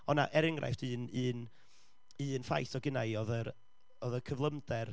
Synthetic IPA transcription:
ɔna̰ʔɛɾɪŋrʔa̰jftɨːnɨːn | ɨːnfa̰jθɔɡɪnajɔðəɾ | ɔðəkʰəvlˠəmd̥ɛr

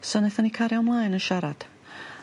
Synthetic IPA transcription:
sɔnɛθanikʰaɾjamlˠajnəʃaɾad̥

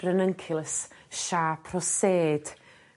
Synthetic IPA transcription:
rənəŋkʰɪlˠəsʃaːpʰrɔseːd̥

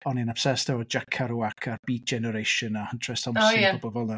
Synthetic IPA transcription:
ɔninapsɛstʰɛvɔd͡ʒakʰaɾuakʰarbiːd̚d͡ʒɛnəɾejʃənahəntʰrɛstʰɔmosaɔbɔvɔlˠə

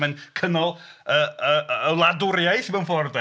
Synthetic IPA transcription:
mənkʰənɔlˠəəəlˠadʊɾjajθimanfɔrdɛ

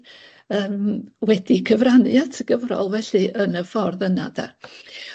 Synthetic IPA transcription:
əːmwɛdikʰəvranɨatʰəɡ̥əvrɔ̰lˠvɛɬɨʔənəfɔrðəna̰da̰

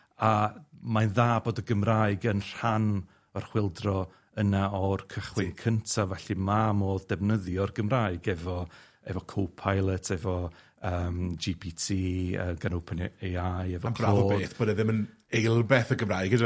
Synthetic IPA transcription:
amaðaːboːdəɡəmraɨɡənr̥an | ɔrχwɪlˠdrɔ | ənaɔrkʰəχwɪnkʰəntʰavɛɬimamoːðdɛvnəðjɔrɡəmraːɨɡɛvɔ | ɛ̰vɔkʰowpʰajlˠətʰɛvɔ | əːmd͡ʒipʰitʰiːə̰ɡanowpʰəneajɛvɔmʰbaovɔːeðːθboːdɛðɪmən | ejlˠbɛθəɡəmrajɡəd

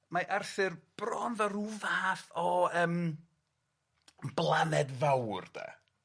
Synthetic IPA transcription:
maʔarθɨrb̥rɔnðɔɾuvθɔəːm | blˠanɛdvawrd̥a̰

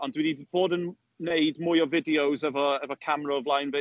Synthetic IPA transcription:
ɔndwinib̥oːdən | nejdmʊjɔvɪdiowzɛvɔɛvɔkʰamɾɔəvlˠajnve

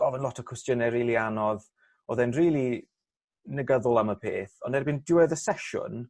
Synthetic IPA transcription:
ɔvənlɔtʰɔ̥kʰwɛstjənɛriːlˠianɔð | ɔðɛnriːlˠi | nəɡəðʊlˠaməpʰḛːθɔndɛɾbindɪwɛðəsɛʃʊ̰n

